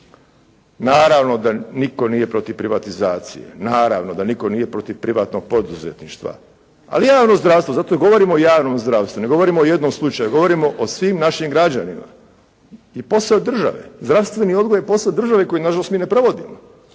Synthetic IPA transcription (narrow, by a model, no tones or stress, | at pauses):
naːɾaʋno̞d̪aniko̞nije̞pɾo̞t̪iʋpɾiʋat̪izaːt̪sḭjḛnaːɾa̰ʋnod̪aniko̞niːje̞pɾo̞t̪iʋpɾiʋaːt̪noɡ̚po̞d̪uzet̪niʃt̪ʋa̰ | a̰lijaːʋnozd̪ɾaːʋst̪ʋozat̪oɡo̞ʋo̞ɾimoojaːʋnomzd̪ɾaːʋst̪uneɡo̞ʋo̞ɾimoojed̪nomslˠut͡ʃajuɡo̞ʋo̞ɾimo̞ʔosʋiːmnaʃimɡɾad͡ʑanima̰ | jipo̞saod̪r̩ʒa̰ʋḛzd̪ɾaʋst̪ʋe̞nio̞d̪ɡojepo̞sad̪rʒaʋe̞ko̞jinaʒalost̪miːnepɾo̞ʋo̞d̪imo